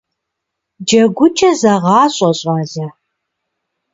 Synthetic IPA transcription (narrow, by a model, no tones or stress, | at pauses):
d͡ʒɐɡʷʊt͡ʃʰʼɐzɐʁɑːɕʼɐɕʼɑːzɐ